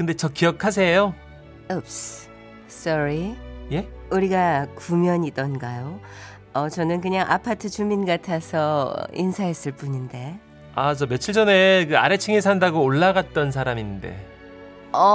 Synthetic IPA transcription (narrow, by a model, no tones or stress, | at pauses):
kɯnde̞t͡ɕʌk͈ijʌkʰas̬ʰejo | ɯps | s͈ʌɾije̞uɾiɡakumjʌɲidʌnɡajo | ʌt͡ɕʌnɯnkɯɲaŋʔapʰatʰɯt͡ɕuminɡatʰasʰʌ̰ḭnsʰaɦes͈ɯɭp͈uɲinde̞ | at͡ɕʌmjʌt͡ɕʰiɭd͡ʑʌne̞kɯaɾe̞t͡ɕʰiŋes̬ʰandaɡoːɭːaɣat̚t͈ʌns̬ʰaɾaminde̞̰ | ʌ